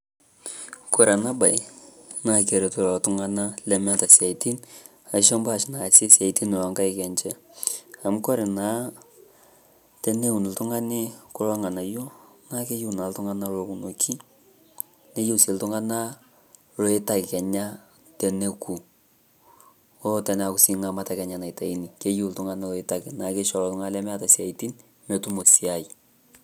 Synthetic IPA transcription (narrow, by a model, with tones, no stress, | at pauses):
ko˨ɾa˨na˦ba˨jna˦ke˨ɾe˨tu˦lɔ˨tʊ˦ŋa˦na˦lɛ˨mɛ˦ta˨sia˨i˨ti˦n | a˨˦ʃɔ˦mba˦˨ʃna˨sɪ˦sja˨i˨ti˦n˨lɔ˨ŋka˦ɪkɛ˨nt͡ʃɛ˦a˨m˦kɔ˦ɾɪ˨naː˨˦ | tɛ˦ne˦u˨n˨ltʊ˦ŋa˦nɪ˦kʊ˦lɔ˦ŋa˨na˨jo˦na˦ke˦ju˦na˨ltʊ˦ŋa˦na˦lo˨ku˨no˨kʰi˦ | ne˦ju˦se˨ltʊ˦ŋa˦na˦ | lo˦e˦ta˦kɪ˨kɛ˨ɲa˦ | tɛ˨ne˦ku˨ | o˦tɛ˨na˨ku˨si˨ŋa˨ma˦ta˦kɛ˨ɲa˨na˨jta˨i˦ni˨ke˦ju˦ltʊ˦ŋa˦na˦lo˨e˦ta˦kɪ˨na˨˦ke˦ʃɔ˨lɔ˨tʊ˦ŋa˦lɛ˦mɛ˦a˦ta˨sia˨iti˦n | me˨tu˦mo˨si˦a˨i˨